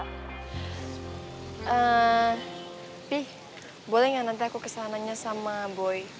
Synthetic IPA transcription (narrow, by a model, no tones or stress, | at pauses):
ʔə | pih | bolɛhjaŋnant̪iakukəsanaɲasamaboj